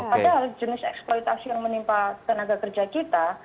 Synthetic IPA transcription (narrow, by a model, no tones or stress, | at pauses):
padaɦald͡ʒənɪsɛ̰ksplɔjt̪asijaŋmənimpat̪ənaɡakərd͡ʒakit̪a